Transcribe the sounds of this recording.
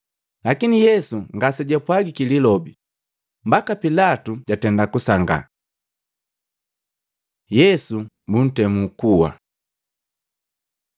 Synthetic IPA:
lakinijɛsuŋɡasɛɟɛpwaɡikililɔbi | mbakapilatuɟatɛndakusaŋɡa̰ | jɛsumbun̩tɛmukuwa̰

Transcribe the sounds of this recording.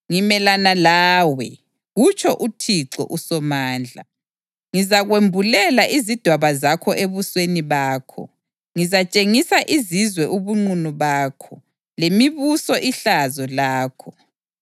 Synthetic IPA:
ŋimɛlanalaːwɛ | ɣut͡ʃʰʼɔʔutʰiǀɔ̰ʔusɔmaːnd͡ɮʱa | ŋizaɣwembʱulɛlaʔizid̥ʱwaβazakʰɔʔeβusweniβaːkʰɔ̰ | ŋizat͡ʃʼeŋisaʔizizwɛʔuβuŋ͡ǀunuβaːkʰɔ | lemiβusɔʔiɬazɔlaːkʰɔ

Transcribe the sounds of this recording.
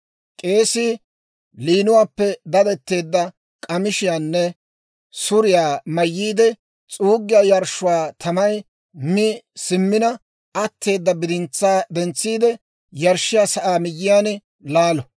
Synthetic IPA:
kʼe̞ːsɪ | liːnʊwaːpːɛd̪ɐd̪ɛt̪ːe̞ːd̪ːɐ | kʼɐmɪʃɪjaːnːɛ | sʊɾɪjaːmɐjːiːd̪ɛ | t͡sʼuːɡːɪjaːjɐɾʃʊwaːt̪ʰɐmɐj | mɪsɪmːɪnɐ | ɐt̪ːe̞ːd̪ːɐbɪd̪ɪnt͡sːaːd̪ɛnt͡sːiːd̪ɛ | jɐɾʃːɪjaːsɐʔaːmɪjːɪjaːn | laːlɔ

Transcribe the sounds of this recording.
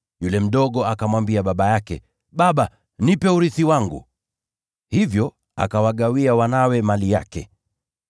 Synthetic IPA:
julɛm̩ɗɔɠɔakamwambiaɓaɓajakɛ | ɓaɓa | nipɛuɾiθiwaŋɡṵ | hivjɔ | a̰kawaɠawiawanawɛmalija̰kɛ̰

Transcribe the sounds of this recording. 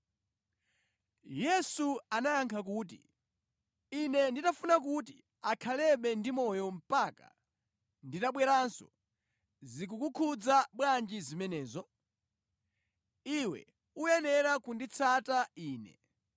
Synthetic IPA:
jɛsuanajaŋkʰak̬uːt̬ḭ | inɛnditafunak̬ut̬i | akʰalɛɓɛndimɔjɔm̩paka̰ | nditaɓwɛɾansɔ̰ | zik̬ukukʰud͡zaɓwand͡ʒizimɛnɛːzɔ | iwɛ̰ | uɛnɛɾakundit͡sʰataiːnɛ̰

